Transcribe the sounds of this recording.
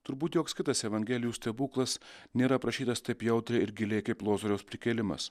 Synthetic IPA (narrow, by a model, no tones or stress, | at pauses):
t̪ʊɾbuːt̪joːkskʲɪt̪ɐsɛʋɐŋʲɡʲæːlʲɪjuːsʲt̪ʲɐbuːklˠɐsnʲeːɾɐpɾɐʃʲiːt̪ɐst̪ɐɪpjɛʊt̪ʲɾʲɛɪɾɡʲɪlʲeːjkɐɪplˠoːzoɾʲɛʊspʲɾʲɪkʲɛːlʲɪmɐ̰s